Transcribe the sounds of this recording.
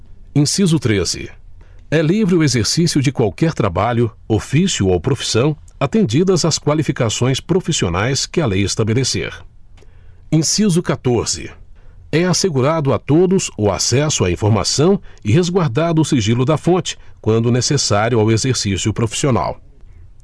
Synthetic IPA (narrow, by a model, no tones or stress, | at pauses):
ẽsizʊt̪ɾezɪ̰ɛlivɾɪʊezeɾsisiʊd͡ʒɪkwawkɛɾt̪ɾa̰baʎʊ | ofisjʊowpɾofi̥sɐ̃w̃at̪ẽnd͡ʒid̪ɐzaskwalifikasõj̃spɾofisionajskɪalejest̪abelesḛɾ | ẽsizʊkat̪oɾz̥ɪ̰ɛaseɡuɾad̪ʊat̪od̪ʊzʊa̰sɛsʊaĩfoɾma̰sɐ̃w̃ɪhezɡwaɾd̪ad̪ʊːsiʒilʊd̪ɐfõt͡ʃɪ̥kwɐ̃nd̪ʊnesesaɾjʊawezeɾsisjʊpɾofi̥siona̰w